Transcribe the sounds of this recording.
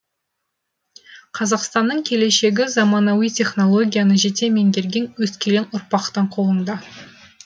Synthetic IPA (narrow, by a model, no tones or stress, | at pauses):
qʰɑzɑqst̪ɑnːəɴkʲʰe̞le̞ʃe̞ɡʲɪzɑmɑnɑwijt̪ʲʰe̞χno̞lˠo̞ɡʲijanəʒe̞t̪e̞me̞ŋɡʲe̞ɾɡʲe̞nwɵskʲʰe̞lenʊɾpɑqt̪ɑɴqʰo̞lˠəɴd̪ɑ